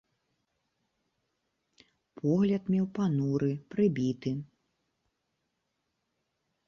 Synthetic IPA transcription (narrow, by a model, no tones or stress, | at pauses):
pʰɔɣlʲɐt̪mʲɛwpanuɾɨpɾɨbʲit̪ɨ